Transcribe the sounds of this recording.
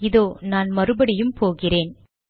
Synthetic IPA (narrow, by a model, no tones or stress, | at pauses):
ɪðoːnaːnmɐrɯbɐɽɪjɯmpoːɣɪreːn